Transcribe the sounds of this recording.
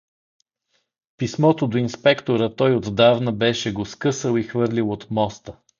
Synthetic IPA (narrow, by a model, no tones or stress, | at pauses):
pismɔt̪od̪oinspɛkt̪oɾət̪ɔjod̪d̪avnəbɛʃɛɡoskɤsəlˠixvɤɾlʲilˠot̪mɔst̪ə